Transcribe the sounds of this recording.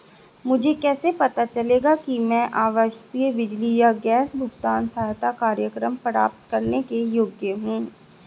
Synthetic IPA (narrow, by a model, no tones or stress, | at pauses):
mʊd͡ʒʱekɛːsepɐt̪at͡ʃɐleːɡakimɛ̃ʔaːʋəʃt̪ijəʋɪd͡ʒlijaɡɛːsbʱʊɡt̪aːnsaːɦt̪akaːɾjəkɾəmpəɾa̰ːp̚t̪kɐɾnekejoɡjəɦũː